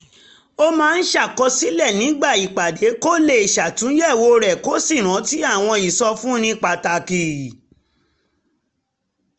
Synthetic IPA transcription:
o˦mãː˦˧˦n̩˦ʃa˦˨kɔ˧si˦lɛ˦˨nĩ˨˦ɡ͡ba˦˨i˨k͡pa˨de˨˦ko˦le˧˨i˨ʃa˨tũ˨˦jɛ˦˨wo˧ɾɛ˨ko˦si˦˨ɾ̃ã˨˦ti˦a˦˨w̃ɔ̃˧i˨sɔ˧fũ˦nĩ˦k͡pa˨ta˨ki˨

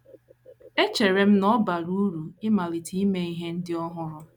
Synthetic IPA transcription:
e˦t͡ʃe˨ɾe˨m̩˦nɔ˦ba˨ɾu˦ɾu˨ɪ˦ma˨lɪ˨tʰi˦me˦i˦ɦe˦n̩˦dɪ˦ɔ˦ɦʊ˦ɾʊ˦

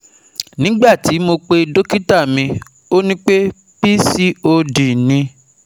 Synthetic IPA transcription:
nĩ˨˦ɡ͡ba˦˨ti˨˦mo˧k͡pe˧do˦ki˦ta˦˨mĩ˧ | o˦nĩ˦k͡pe˦ | b̥i˦si˦o˧di˨nĩ˧

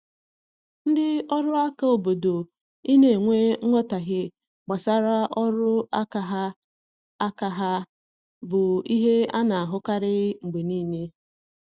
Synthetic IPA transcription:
n̩˦dɪ˦ɔ˦ɾʊ˦a˦ka˦˨o˨bo˨do˨ | i˦ne˦e˨ŋʷe˦ɔ˦ta˨ɣɪ˦ | ɡ͡ba˨sa˦ɾa˦ʔɔ˦ɾʊ˦a˦ka˨ɦa˦ | a˦ka˨ɦa˦ | bʊ˨i˦ɦe˦a˦na˨a˨ɦʊ˦ka˦ɾɪ˦ŋ͡m̩˨ɡ͡be˨niː˦ne˦

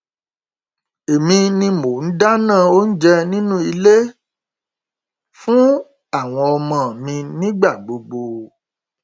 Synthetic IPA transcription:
e˨mĩ˧nĩ˧mo˨n̩˦da˦nãː˦˨o˦n̩˦d͡ʒɛ˧nĩ˦nũ˦i˧le˦ | fũ˦ | a˦˨w̃ɔ̃˧ɔ˧mɔ̃˨mĩ˧nĩ˦ɡ͡ba˦˨ɡ͡bo˧ɡ͡bo˧

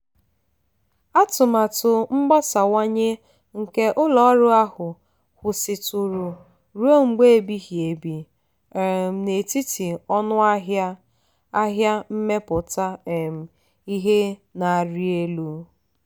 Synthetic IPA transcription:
a˦tʊ˨ma˨tʊ˨ŋ͡m̩˦ɡ͡ba˦sa˨wa˦ɲe˦ | ŋ̩˨ke˦ʔʊ˦lɔ˨˦ɾʊ˦a˦ɦʊ˨ | hʊ˨sɪ˨tʊ˨ɾu˨ | ɾu˦o˦ŋ͡m̩˨ɡ͡be˦e˨bi˦ɦje˨bi˨ | e˨m̩˨ne˨ti˦ti˨ɔ˦nʊ˦a˦ | a˦ɦja˦m̩˦me˦pʊ˨ta˦e˨m̩˨ | i˦ɦe˦na˨ɾi˦e˦lu˦

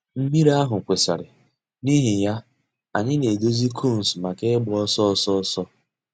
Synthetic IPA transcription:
m̩˦mi˦ɾa˦ɦʊ˨kʷe˨sa̰˨ɾɪ˨ | ni˦ɦi˨ja˦ | a̰˨ɲɪ˦ne˨do˦zi˦kʰo˦˨n̩˨sma˨ke˦ɪ˦ɡ͡bɔ˦sɔ˦sɔ˦sɔ˦

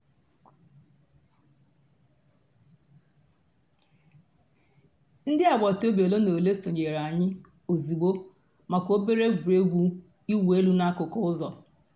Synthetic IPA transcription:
n̩˦dɪ˦a˨ɡ͡bɔ˨to˦be˨lo˦no˨le˦sto˨ɲe˨ɾa˨ɲɪ˦ | o˨zi˨ɡ͡bo˦ | ma˨ko˦be˦ɾe˦ɡʷu˨e˦ɡʷu˦ | i˦we˦lu˦na˦a˦kʊ˨kɔ˦ʊ˦zɔ˨

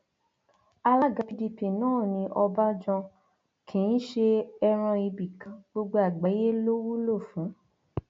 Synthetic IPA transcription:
a˧la˦˨ɡa˧pi˨˧di˧pi˨nãː˦˨nĩ˧ʔɔ˧ba˦d͡ʒɔ̃˧ | kʰẽ˨ĩ˦ʃe˧ɛ˧ɾ̃ɔ̃˧i˧bi˨kã˨ɡ͡bo˧ɡ͡bo˧a˨ɡ͡ba˨˦je˦lo˦wu˦lo˦˨fũ˨˦

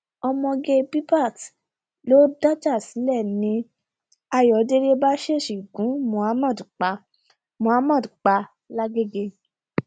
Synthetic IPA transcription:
ɔ˧mɔ̃˧ɡe˧bi˦pa˦˨t | lo˦da˦d͡ʒa˦˨si˨˦lɛ˦˨nĩ˨˦ | a˧jɔ˨˦de˦ɾe˦ba˦ʃe˦˨ʃi˨ɡũ˨˦mũ˨˦a˦mã˦˨dk͡pa˧ | mõ˨˦a˦mã˦˨dk͡pa˧ | la˦ɡe˦ɡe˧

